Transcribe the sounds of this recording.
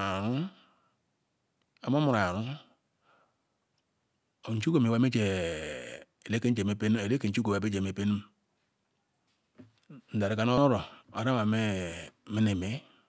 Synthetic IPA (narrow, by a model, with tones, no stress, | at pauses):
ɾu˦ | a˨˦mo˦mu˨ɾa˨ja˨ɾu˦ | o˨n̩˨t͡ʃu˦ko˦˨me˨wa˦me˦d͡ʒe˨ | e˨le˦ke˦n˦d͡ʒe˨me˦pe˦n˦e˨le˦ke˨n̩˦t͡ʃu˦ka˨˦be˦d͡ʒe˨me˨pe˦ni˦m | n̩˨da˨ɾi˨ka˦no˦ɾo˨a˨ɾa˦wa˨me˦˨mi˦ne˨me˦